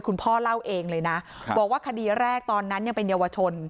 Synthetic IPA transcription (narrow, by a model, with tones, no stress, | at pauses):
jkʰu˧npʰɔː˥˩la˥˩wʔeː˧ŋlɤː˧jna˦˥bɔː˨˩k̚waː˥˩kʰa˧diː˧ɾɛː˥˩k̚t̪ɔː˧nːa˦˥nja˧ŋpe˧nja˧wa˧t͡ɕʰo˧n